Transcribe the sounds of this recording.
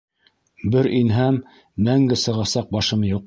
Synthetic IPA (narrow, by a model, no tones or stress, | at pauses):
bɘɾinɦæmː | æŋɡɘsɤ̆ʁɑsɑq̚bɑʃɤ̆mɤjuq